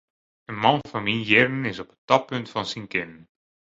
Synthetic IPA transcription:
ənmɑnvɑnminjɛrnənɪzɔpə̥tɑpːɵntfɑnsiŋkɛnən

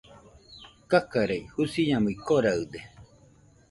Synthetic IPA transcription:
kakaɾejhusiɲamɯikoɾaɯd̪e

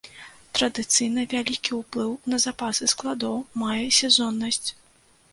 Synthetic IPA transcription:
t̪ɾɐd̪ɨt̪sɨjn̪ɐvʲalʲikʲiwplˠɨwnɐzapasɨsklˠad̪ɔwmajɛsʲɛzɔnːɐsʲt͡sʲ

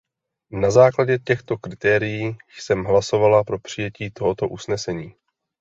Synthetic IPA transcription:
nazaːklaɟɛcɛxt̪o̞kɾɪt̪ɛːɾɪjiːsɛmɦlaso̞valapɾo̞pr̥ɪjɛciːt̪o̞ɦo̞t̪o̞ʔusnɛsɛɲiː

